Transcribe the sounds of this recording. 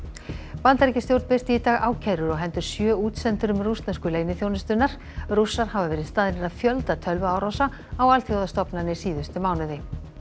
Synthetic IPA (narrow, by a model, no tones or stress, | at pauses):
pant̪aɾcɪst̪jowɾt̪pɪst̪iiːt̪aɣaːwcʰɛɾʏɾɔɣɦɛnt̪ʏɾ̥sjœːuːt̪sɛnt̪ʏɾʏmrust̪naskʏleːjnɪθjownɪst̪ʏnːaɾ̥ | rusːaɾ̥havavɛːɾɪðst̪aːðnɪɾaðfjœlt̪at̪ʰœlvaaːwɾɔsa | awalt̪ʰjowðast̪ɔpnanɪsiːðʏst̪ɪmaːwnɪðɪ